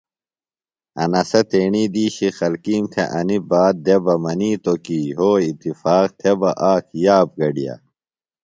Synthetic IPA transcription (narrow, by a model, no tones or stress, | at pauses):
ɐ̰nɐsɐt̪eːɳiːd̪iːɕixɐlkiːmt̪ʰeʔɐnibaːd̪̚d̪ebɐmɐniːt̪okiːɦoːit̪ːifaːq̚t̪ʰebɐʔaːkʰjaːp̚ɡɐɖija̰